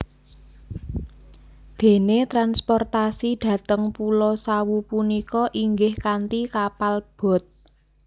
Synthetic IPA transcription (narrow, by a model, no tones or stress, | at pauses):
d̪̥e̤net̪ɾanspɔrt̪asid̪̥ä̤t̪əŋpulɔsawupunikɔʔiŋɡɪhkant̪ikapalb̥ɔ̤t̪̚